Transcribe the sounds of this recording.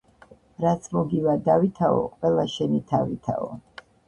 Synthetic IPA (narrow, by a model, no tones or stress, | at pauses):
ɾat̪sʰmɔɡivad̪avit̪ʰaɔ̰qʼwɛlˠaʃɛnit̪ʰavit̪ʰa̰ɔ̰